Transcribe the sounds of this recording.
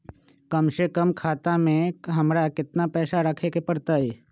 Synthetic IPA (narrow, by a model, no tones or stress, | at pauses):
kəmʃekəmkʰaːt̪ãmẽɦəmɾakɪt̪napɛːsaɾəkʰekepəɾt̪ae